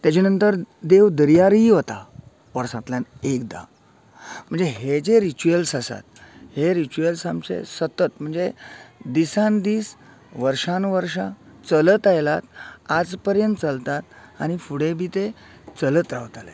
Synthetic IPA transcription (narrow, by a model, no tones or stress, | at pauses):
t̪jat͡ɕenənt̪əɾd̪eʋd̪əɾjaɾiɦot̪a̰ | pəɾsãt̪ljanekd̪a̰ | m̤əɳd͡zeɦed͡ʑeɾit͡ɕuəlsasa̰t̪̚heɾit͡ɕuəlsamt͡ɕḛsət̪ət̪m̤əɳd͡zed̪isãnd̪iːs | ʋəɾʂãnʋəɾʂat͡sələt̪ajlat̪̚ad͡zpəɾjənt̪̚t͡səlt̪at̪̚a̰ñifuɽebʱiːt̪e | t͡sələt̪ɾaʋt̪alḛ